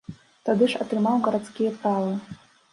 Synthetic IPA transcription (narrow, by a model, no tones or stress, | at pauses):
tʰadɨʂatʰrɨmawɡaɾat͡skʲijapʰrala